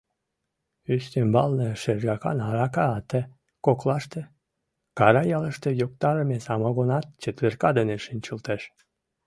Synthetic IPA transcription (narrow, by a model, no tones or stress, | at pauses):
yst̪embɑlnəʃerɣɑkɑ̰nɑɾɑkɑːt̪e | koklɑʃt̪ĕ | kɑɾɑjɑləʃt̪ejok̚t̪ɑɾəmesɑmɑɣonɑt̪̚t͡ɕət̪βerkɑd̪eneʃinʲt͡ɕəlt̪eʃ